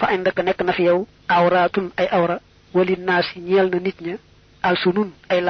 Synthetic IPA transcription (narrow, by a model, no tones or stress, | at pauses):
fɐɐɲndɐkːənɛkːənɐfijɐw | ɐwɾatunɐjʔɐwɾɐ | wɐlinasiɲɛlnɐnitɲɐ | ʔɐlsununɐjl